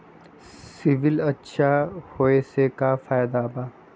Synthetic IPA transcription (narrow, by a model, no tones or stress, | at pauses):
sɪʋɪlɐtːʃʰahoːesekafaːjd̪abaː